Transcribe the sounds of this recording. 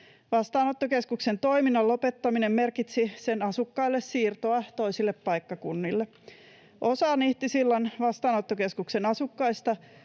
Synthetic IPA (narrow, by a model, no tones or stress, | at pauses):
ʋɑst̪ɑːnot̪ːoke̞skukse̞nt̪o̞iminːɑlːo̞pe̞t̪ːɑminemːe̞rkit̪sise̞nɑsukːɑilːessiːrt̪oɑt̪o̞isilːeppɑjkːɑkunːilːe | ʔosɑːniht̪isilːɑnʋɑst̪ɑːnot̪ːoke̞skukse̞nɑsukːɑjst̪ɑ